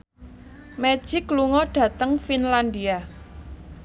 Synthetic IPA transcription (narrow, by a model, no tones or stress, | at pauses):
me̥ʒ̥ɪkːluŋɔɖ̥ä̤t̪əŋfinland̪ia